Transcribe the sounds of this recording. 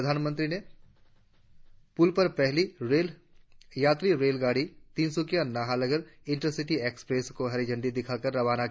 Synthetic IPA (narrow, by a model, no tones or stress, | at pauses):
d̪ʱaːnmə̃nt̪ɾine | pʊlpɐɾpɛɦliɾeːl | jaːt̪ɾiɾeːlɡaːɽit̪iːnsʊkijanaːɦalɐɡəɾɪ̃ɳʈəɾsɪʈieːkspɾeːskoɦɐɾed͡ʒə̃ɳɖid̪ɪkʰakɐɾːɐʋaːna